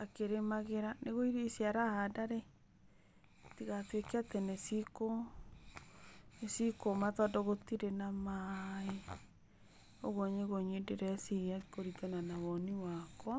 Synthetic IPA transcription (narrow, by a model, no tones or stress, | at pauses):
akeɾemaɣeɾaneɣoiɾesjaɾahadaɾe | tiɣatwekeatenesiko | esikomatɔdɔɣotiɾenamae | o̰ɣoɲeɣoɲedeɾɛsiiakoɾitɛnanawɔniwakɔ